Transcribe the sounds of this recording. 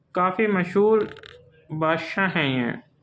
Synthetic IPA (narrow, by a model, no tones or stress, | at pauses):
kaːfimɐʃɦuːɾ | baːʃãɦɛ̃jɛ̰̃ː